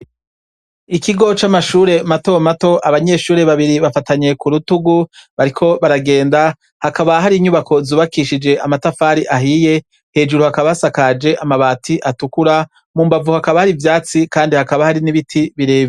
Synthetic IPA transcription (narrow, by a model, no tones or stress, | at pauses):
ikiɡo̞t͡ʃamaʃuːɾe̞mato̞mato̞ʔaβaɲe̞ʃuːɾe̞βaβiɾiβafataɲe̞kuɾutuɡuβaɾikʰo̞βaɾaɡe̞ːnda | hakaβaɦaɾiːɲuβako̞zuːβakiʃid͡ʒe̞ʔamatafaːɾiʔaɦije̞ | he̞ːd͡ʒuɾuhakaβasakad͡ʒe̞ʔamaβaːtʰiʔatukuɾa | muːmbavuhakaβahaɾivjaːt͡sikaːndihakaβahaɾiniβitʰiβiɾe̞ːβi